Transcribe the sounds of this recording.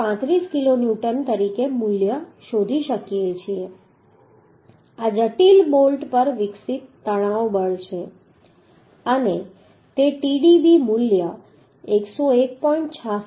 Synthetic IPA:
ãt̪ɾiskilonjuʈənt̪əɾikemuljəʃod̪ʱiʃəkijet͡ʃʰie | ad͡ʒəʈilbolʈpəɾʋɪksit̪ːəɽ̃aobəɭʃʰe | əne | t̪eʈiɖibimulja | eksoek̚pɔiɳʈt͡ʃʰa

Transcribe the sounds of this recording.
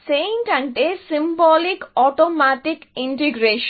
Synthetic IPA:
sẽːnʈæ̃ɳɖesɪ̃mbɔːlɪkɔːʈomæʈɪkɪ̃ɳʈiɡɾeːʃ

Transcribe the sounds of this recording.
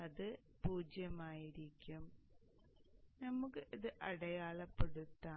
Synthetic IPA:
ɐðɨ | puːd͡ʑjɐmaːjiɾikʲːum | nɐmukːɨʔiðɨʔɐɽɐjaːɭɐpːeɽut̪ːaː

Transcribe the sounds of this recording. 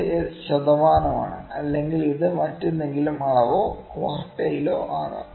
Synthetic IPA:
jeɕɐd̪ɐʋaːnɐma̰ːɳɨ̰ɐlːe̞ŋɡiliðɨmɐtːunːe̞ŋɡilumɐɭɐʋoːkʋaːrʈːɐjilo̰ːʔaːra̰

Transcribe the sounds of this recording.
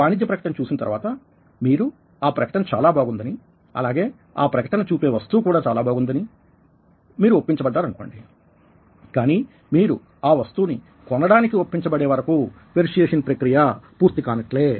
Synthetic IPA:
aːnid̪jɐpɾɐkɐ̥ʈɐnt͡ʃuːsinɐt̪ɐ̰ɾʋaːt̪ɐ | miːɾu | aːpɾɐkɐ̥ʈɐnɐt͡ʃa̰ːlaːbʱaːɡund̪ɐni | ɐ̰laːɡe̞ː | a̰ːpɾɐkɐʈɐnɐt͡ʃuːpe̞ːʋɐst̪uːkuːɽaːt͡ʃaːlaːbʱaːɡund̪ɐni | miːɾuopːiɲt͡ʃɐbɐɖːaːɾɐnukoːɳɖi | kaːniː | miːɾu | aːʋɐst̪uːni | kɔnːɐɽaːnikiwopːiɲt͡ʃɐbɐɽeːʋɐɾɐku | ʋeɾiʂjeːʂɐnpɾɐkɾijapuːɾt̪ikaːnɐʈleː

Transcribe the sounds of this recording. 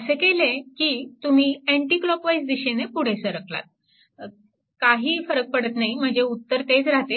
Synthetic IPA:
əsekelekiːt̪um̤iːeɳʈiːklɔkʋajsd̪iɕenepuɽ̤esəɾəkla̰t̪̚ | kaɦiːfəɾək̚pəɽət̪naɦim̤əɳd͡zeut̪ːəɾt̪ed͡zɾat̪e

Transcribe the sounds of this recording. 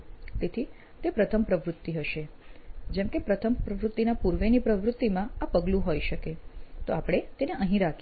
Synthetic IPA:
t̪et̪ʰi | t̪epɾət̪ʰəmpɾəʋɾʊt̪ːiɦəʃe | d͡ʒɛmkepɾət̪ʰəmpɾəʋɾʊt̪ːinapuɾʋenipɾəʋɾʊt̪ːimãapəɡlũɦojʃəket̪oapɽ̃et̪eneʔəɦĩɾakʰ

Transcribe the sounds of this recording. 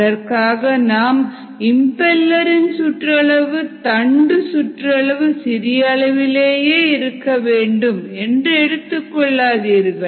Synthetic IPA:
ɐɾkaːɣɐnaːm | ɪmpɛlːɐɾɪnsʊʈrɐɭɐʋɯt̪ɐɳɖɯsʊʈrɐɭɐʋɯsɪɾɪjɐɭɐʋɪleːjeːɪɾɯkːɐʋeːɳɖɯmɛndrɯɛɽɯt̪ːɯkːɔɭːaːðiːɾɣɐ

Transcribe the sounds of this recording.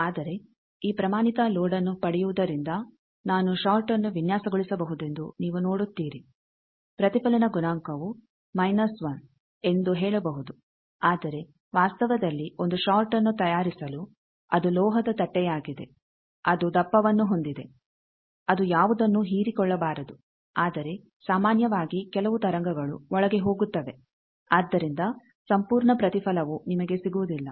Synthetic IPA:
aːd̪ɐɾe̞ | iːpɾɐmaːnit̪ɐlɔːɽɐnːupɐɽɛjuʋud̪ɐɾind̪ɐ | naːnuʃaːlʈɐnːuʋinjaːsɐɡoɭisɐbɐɦud̪e̞nd̪uniːʋunoːɽut̪ːiːɾi | pɾɐt̪ipɐlɐnɐɡunaːŋkɐʋu | mɐjnɐsʋɐn | e̞nd̪uɦɛːɭɐbɐɦud̪u | aːd̪ɐɾe̞ | ʋaːst̪ɐʋɐd̪ɐlːio̞nd̪uʃaːɾʈɐnːut̪ɐjaːɾisɐlu | ɐd̪ulɔːɦɐd̪ɐt̪ɐʈːɛjaːɡid̪e̞̰ | ɐd̪ud̪ɐpːɐʋɐnːuɦo̞nd̪id̪e̞ | ɐd̪ujaːʋud̪ɐnːuɦiːɾikɔɭːɐbaːɾɐd̪u | aːd̪ɐɾe̞ | saːmaːnjɐʋaːɡikɛlɐʋut̪ɐɾɐŋɡɐɡɐɭṵɔɭɐɡe̞ɦo̞ːɡut̪ːɐʋe̞ | aːd̪ːɐɾind̪ɐ | sɐmpuːɾɳɐpɾɐt̪ipʰɐlɐʋunimɐɡe̞siɡuʋud̪ilːɐ

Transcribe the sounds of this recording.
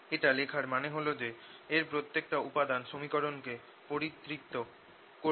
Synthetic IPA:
eʈalekʰaɾmaneɦolod͡ʑeːɾpɾot̪ːek̚ʈaupad̪anʃomikoɾonke | poɾit̪ːɾik̚t̪o | ko

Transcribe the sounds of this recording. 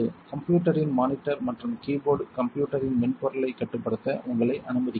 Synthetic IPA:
ɯkɐmpjuːʈːɐɾɪnmaːnɪʈːɐɾmɐʈrɯmkiːboːɾɖkɐmpjuːʈːɐɾɪnmɪnpɔɾɐɭɐɪkːɐʈːɯpːɐɽɯt̪ːɐʔʊŋɡɐɭɐɪʔɐnɯmɐðɪkː

